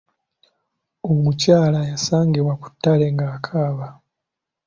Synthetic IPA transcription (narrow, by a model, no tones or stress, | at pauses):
omucaːlajasaːŋɡiβwaku̥tːale̞ŋɡaːkʰaːβa